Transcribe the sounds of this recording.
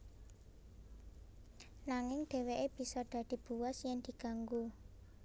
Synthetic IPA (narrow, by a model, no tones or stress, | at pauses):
laŋɪŋɖ̪̥e̤weʔeb̥i̤sɔd̪̥a̤d̪̥i̤b̥ṳwasjɛŋd̪̥i̤ɡ̥a̤ŋɡu